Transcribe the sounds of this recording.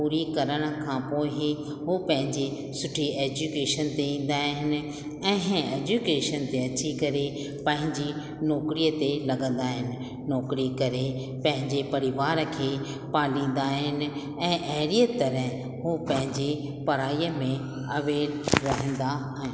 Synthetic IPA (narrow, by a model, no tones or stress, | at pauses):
puːɾikɐɾəɽ̃ə̆kʰãːpoːɪ | ɦopɐ̃ɦɪ̃ɲd͡ʑe | sʊʈʰieːd͡ʑukeːʃənt̪eĩːn̆d̪aːɦɪnɪ̆ | ɛ̃ːɦeːd͡ʑukeːʃənt̪eɐt͡ɕikɐɾe | pɐ̃ɦɪ̃ɲd͡ʑi | nɔːkɾiət̪elɐɡə̃nd̪aːɦɪnɪ̆ | nɔːkɾikɐɾe | pɐ̃ɦɪ̃ɲd͡ʑepɐɾɪʋaːɾkʰeː | paːlĩːn̆d̪aːɦɪnɪ̆ | ɛ̃ːʔeɦɪɾijət̪ɐɾɛ̃ɦ | ɦopɐ̃ɦɪ̃ɲd͡ʑe | pɐɾaːijəmẽ | ɐʋeːɾɾɐɦə̃n̆d̪a | ɦɪ